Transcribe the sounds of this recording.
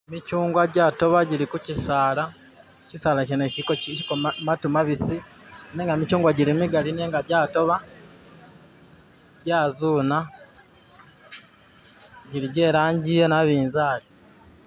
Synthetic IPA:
micuːŋɡwaɟaːto̞βaɟiɾikucisaːla | cisaːlacenecikocikomatumaβisi | neːŋɡamicuːŋɡwaɟilimiɡalineːŋɡaɟaːto̞βa | ɟaːzuːna | ɟiɾiɟe̞ːɾaːɲɟijenaβiːnzaːli

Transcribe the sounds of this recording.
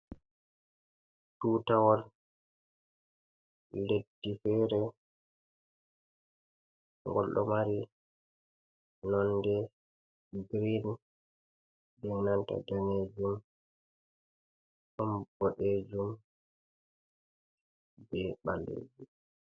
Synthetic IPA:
tuːtawɔl | ledːifɛɾɛ | ŋɡɔlɗɔ̰maɾi | nɔndɛ | ɡɾin | bɛnanta̰daned͡ʒum | hambɔɗed͡ʒum | bɛɓalːḛːd͡ʒu

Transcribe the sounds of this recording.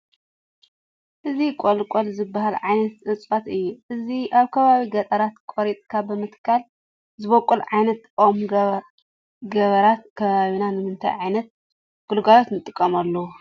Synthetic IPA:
ʔɨzikʼolkʼolzɨbːahalʕajnɐt̪sʼɨt͡sʼat̪ɨjːuʔɨziʔaβkʰɐβaβiɡɐt̪ʼɐɾat̪kʷʼoɾit̪ʼkʰabɨmɨt̪kʰal | zɨβokʼulʕajnɐt̪ʼom | ɡɐβɐɾat̪̚kʰɐβaβinanɨmɨnt̪ʰa̰jʕajnɐt̪̚ | ɡ̥ulɡalot̪nɨt̪ʼːɨkʼːɐmalːɐwu

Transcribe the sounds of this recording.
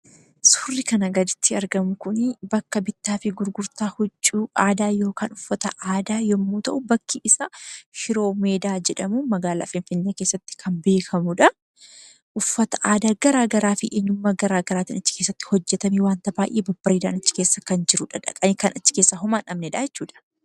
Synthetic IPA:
sʊrːɪkɐnɐɡɐd̪ɪt̪ːɪɐɾɡɐmʊkʊnbɐkːɐbɪt̪ːaːfɪɡʊɾɡʊɾt̪aːhʊt͡ʃʼːuːʔaːd̪aːjo̞ːkaːnʊfːɐt̪ɐʔaːd̪aːjɔmːuːt̪ɐʔʊbɐkʰːiʔɪsɐʃɪɾo̞ːme̞ːd̪aːd͡ʒɛᶑɐmumɐɡaːla̰ːfɪnfɪnːeːke̞ːsːɐt̪ːɪ̥kʰɐmbe̞ːkʰɐmʊᶑɐ | ʔʊfːɐt̪ɐ̥ʔaːd̪aːɡ̥ɐɾaːɡɐɾaːfɪʔeɲːʊmːaɡɐɾaːɡɐɾaːt̪inɐt͡ʃːɪ̥keːsːɐt̪ːɪ̥hɔd͡ʒːɛt̪ɐmewaːnt̪ɐbaːʔeːbɐbːɐɾed̪a̰ːnɐt͡ʃːɪ̥keːsːɐkɐnd͡ʒɪɾʊᶑɐᶑɐ̰kʼɐmekɐnʔɐt͡ʃːɪ̥ke̞ːsːɐɦʊmaːnʔɐmnɛᶑajɛt͡ʃːuːᶑɐ̥

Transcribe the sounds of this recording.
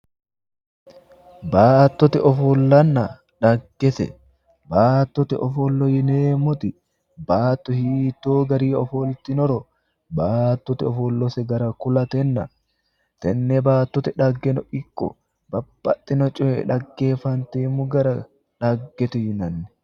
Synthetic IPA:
baːt̪ːɔt̪ɛʔɔfɔlːɐnːɐ | ᶑɐɡːɛsɛ̰ | baːt̪ːɔt̪ɛʔɔfɔlːɔjɪneːmɔt̪ɪ | baːt̪ːɔhiːt̪ːoːɡɐɾiːɔfɔlt̪ɪnɔɾɔ | baːt̪ːɔt̪ɪɔfɔlːɔsɛɡɐɾɐkʊlɐt̪ɛnːɐ̰ | t̪ɛnːɛbaːt̪ːɔt̪ɛᶑɐɡːɛnɔʔɪkːɔ̰ | bɐbːɐt̪ʼːɪnɔt͡ʃʼɔɛ̰ᶑɐɡːeːfɐnt̪eːmʊɡɐɾɐ | ᶑɐɡːɛt̪ʊhɪnɐnːɛ

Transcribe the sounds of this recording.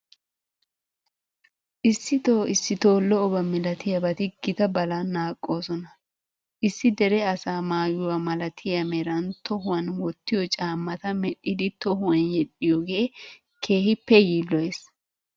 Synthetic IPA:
ʔɪsːɪt̪o̞ːʔɪsːɪt̪o̞ːlːɔːbɐmɪlɐt̪ɪjɐbɐt̪ɪɡɪt̪ɐbɐlanːaːkʼːo̞ːsɔnɐ | ʔɪsːɪd̪ɛɾɛɐsaːmaːjʊwamɐlɐt̪ʰɪjɐmɛɾɐnt̪ɔɦʊwɐnwɔt̪ːɪjɔt͡ʃʼaːmːɐt̪ɐmɛɗːɪd̪ɪt̪ɔɦʊɛnjɛɗɪjɔɡeː | kʰe̞ːhɪpːɛjiːlːɔes

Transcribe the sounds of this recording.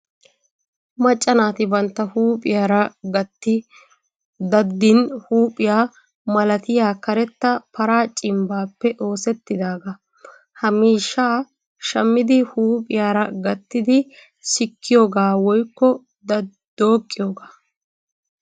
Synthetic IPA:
mɐt͡ʃʼːɐnaːt̪ɪbɐnt̪ːɐhuːpʼɪjaːɾɐɡɐt̪ːɪ | d̪ɐd̪ːɪnhuːpʼɪjaː | mɐlɐt̪ɪjaːkɐɾɛt̪ːɐpɐɾaːt͡ʃʼɪmbaːpːɛʔo̞ːsɛt̪ːɪd̪aːɡɐ | hɐmiːʃːaː | ʃɐmːɪd̪ɪhuːpʼɪjaːɾɐɡɐt̪ːɪd̪ɪ | sɪkʰːɪjoːɡaːwɔjkːɔ | d̪̥o̞ːkʼːɪjoːɡaː

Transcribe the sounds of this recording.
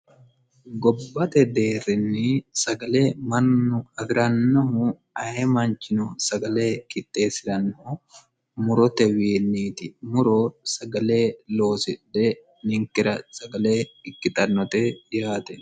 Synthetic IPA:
ɡɔbːɐt̪ɛd̪e̞ːɾːɪnːɪsɐɡɐleːmɐnːʊɐɡɾɐnːɔɦʊ | ɐhɛmɐnt͡ʃːɪnʊsɐɡɐle̞ːkɪt̪ʼːe̞ːsɪɾɐnːɔhʊ | mʊɾɔt̪ɛwiːnːiːt̪ɪmʊɾɔsɐɡɐle̞ːlo̞ːsɪᶑɛ | nɪŋkɪɾɐsɐɡɐle̞ːɪkːɪt̪ʼɐnːɔt̪ɛjaːt̪ɛ

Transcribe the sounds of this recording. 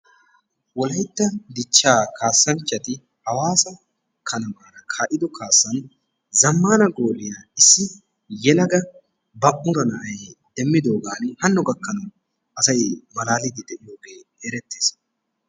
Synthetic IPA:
wɔlɐjt̪ːɐd̪ɪt͡ʃːaːkaːsːɐnt͡ʃːɐt̪ɪ | hɐwaːsɐ | kʰɐnɐmaːɾɐkʰaʔɪd̪ɔkʰaːsːɐn | zɐmːaːnɐɡoːlɪjaɪsːɪ | jɛlɐɡɐ | bɐʔʊɾɐnɐʔɐjed̪̥ɛmːɪd̪o̞ːɡaːnhɐnːɔɡɐkːɐnɐw | ʔɐsɐjmɐlaːlɪd̪ɪd̪ɛʔɪjo̞ːɡe̞ːeːɾɛt̪ːeːs

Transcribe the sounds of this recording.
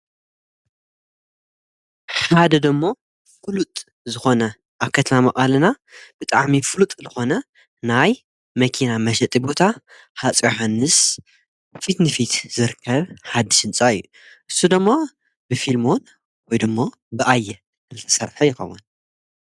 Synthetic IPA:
ħad̪ɐd̪ɨmːo | fɨlut̪ʼ | zɨxo̞nɐ | ʔaβkʰɐt̪ʰɐmamɐʔʼalɨna | b̥ɨt̪ʼaʕmifɨlut̪ʼzɨxo̞nɐ | naj | mɐkʰinamɐʃɐt̪ʼibo̞t̪ʰa | hat͡sʼjoħanːɨs | fit̪nɨfit̪zɨɾkʰːɐβħad̪ːiʃɨnt͡sʼaɨjːu | ʔɨsːud̪ɨmːo | bɨfilmon | wɔjd̪ɨmːo | bɨʔajːɛ | kɨlt̪ʰɐ̥sɐ̰ɾħɐjɪxɐ̰wːun

